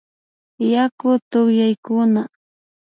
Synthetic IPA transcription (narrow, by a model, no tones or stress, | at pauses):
jakʊt̪ʊχjajkʊna